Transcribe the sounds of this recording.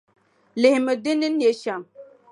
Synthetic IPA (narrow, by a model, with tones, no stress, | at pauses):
le˨hmə˨d̪i˦ni˦ne˨ʃa˨m